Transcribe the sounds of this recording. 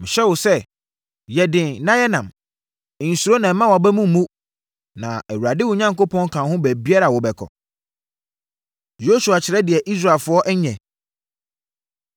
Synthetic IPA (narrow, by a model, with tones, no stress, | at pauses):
mɪ̃˨ɕɛ˦wʊ˨sɛ˦ | jɛ˨dɪ̃˨nnã˦jɛ˦nã˨m˨ | n̩˨su˨ɾo˦nã˨˦mã˦wa˨bɛ˦mũ˦m̩˨mũ˦ | nã̰˨æ˨wu˨ɾa˨dɪ˦wʊ˨˦ɲã˦ŋko˦pʰɔ̃˦ŋ˦kʰã˨hʊ̃˦bæ˨bi˦a˦ɾa˨wʊ˨bɛ˨kʰɔ̰˨ | jo˦su˨a˨t͡ɕʰɪ˨ɾɛ˦dɪ˨ɛ˨ʔi˦s̬ɾa˨e˨lfʊ˦ɔ˦ʔɛ˦ɲɛ̃˨